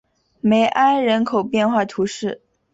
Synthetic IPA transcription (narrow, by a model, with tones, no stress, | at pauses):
me˧˥ɪʔa˥ɪɻə˧˥nkʰo˨˩ʊpjɛ˥˧nxwa˥˩t̪ʰu˧˥ʂɻ̩˥˩